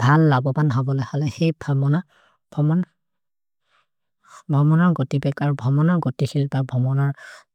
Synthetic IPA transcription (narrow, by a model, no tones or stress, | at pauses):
bʱalːabɔpanɦɔbɔlojhalɛxejbʰamɔna | b̥ʱɔmɔn | bʱɔmɔnɔɹɡotibɛkaɹubʱɔmɔnɔɹɡotixʰilpabʱɔmɔnɔɹ